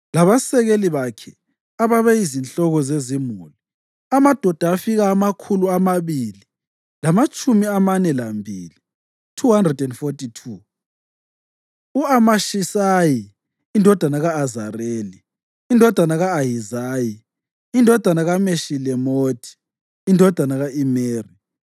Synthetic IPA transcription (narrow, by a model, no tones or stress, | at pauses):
laβasɛɣeliβakʰɛ | aβaβɛizint͡ɬɔɣɔzezimuli | amad̥ʱɔd̥ʱaːfiɣaːmakʰuluamaβili | lamat͡ʃʼumiamanɛlambʱḭːli | tʰuɦandrɛdɛndfotʼitʰu | uamaʃisaji | indʱɔd̥ʱanaɣaːzareːliː | ndʱɔd̥ʱanaɣaːjizaːji | indʱɔd̥ʱanaɣameʃilɛmotʰi̥ː | ndʱɔd̥ʱanaɣaʔimeːri